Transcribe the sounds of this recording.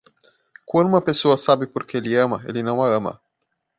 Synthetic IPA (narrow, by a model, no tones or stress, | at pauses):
kunmapesoɐsabipurkeliəmaḛlinɐwaəmɐ̰